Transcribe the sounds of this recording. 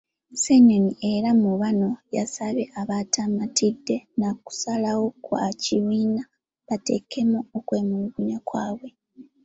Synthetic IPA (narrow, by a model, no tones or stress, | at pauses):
seɲonie̞ɾamuβano̞jasaβeʔaβatʰamatidːe̞naku̥salawo̞kwaciβiːna | βate̞kʰe̞muokwe̞ːmuluɡuɲakwaːβwe̞